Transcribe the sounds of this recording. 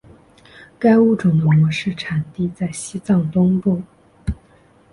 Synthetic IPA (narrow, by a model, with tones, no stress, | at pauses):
ka˥ɪu˥˩ʈ͡ʂʊ˨˩ŋd̪ə˧˩mwɔ˧˥ʂɻ̩˥˩ʈ͡ʂʰa˨˩nt̪i˥˧t͡sa˥˩ɪɕi˥t͡sɑ˥˩ŋt̪ʊ˥ŋpu˥˩